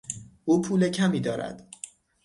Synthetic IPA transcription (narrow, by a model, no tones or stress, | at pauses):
ʔuːpʰuːlecʰæmiːd̪ɒːɾæ̰d̪̥